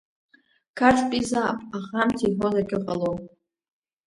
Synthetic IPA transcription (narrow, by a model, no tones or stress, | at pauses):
kʰaʈ͡ʂʰʼpʼizapʼaχamtʰiħozakʲʰʼɪqʼalo